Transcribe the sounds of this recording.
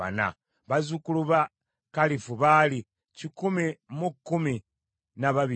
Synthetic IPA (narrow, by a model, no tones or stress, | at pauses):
a̰na̰ | βazukuluβa | kalifuβali | cikumimukːumi | naβaβi